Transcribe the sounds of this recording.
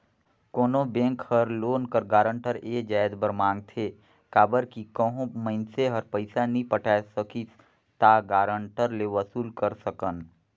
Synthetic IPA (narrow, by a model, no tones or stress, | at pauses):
koːnobẽːŋkhəɾloːnkəɾɡaːɾə̃ɳʈəɾeːd͡ʒaːɪd̪bəɾmãːŋɡ̚t̪ʰeː | kaːbəɾkikəɦõməɪnseɦəɾpəɪsanɦĩpəʈʰaːsəki | t̪aɡaːɾəɳʈəɾleʋəsuːlkəɾsəkən